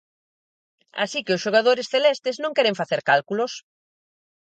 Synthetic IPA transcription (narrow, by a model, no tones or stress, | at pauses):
a̰sikɪʊsʃoɣaðoɾɪsθelɛst̪ɪznõŋkɛɾẽɱfaθeɾkalkulos